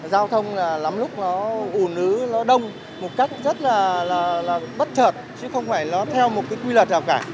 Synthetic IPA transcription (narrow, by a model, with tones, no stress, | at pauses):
zaː˧wt̪ʰə˧wŋ͡mlaː˨˩la˨˦mlʊ˦˥k͡p̚nɔ˨˦ʔu˧˩nɨ˨˦nɔ˨˦ɗə˧wŋ͡m | mo˨˩t̚ka˦˥jk̟̚zə˦˥t̚laː˨˩laː˨˩laː˨˩ɓə˦˥t̚t͡ɕʰəː˨˩t̚t͡ɕɨ˨˦xə˧wŋ͡mfaː˧˩jnɔ˨˦t̪ʰɛ˧wmo˨˩t̚kaː˨˦jkwi˧lə˨˩t̚zaː˨˩wkaː˧˩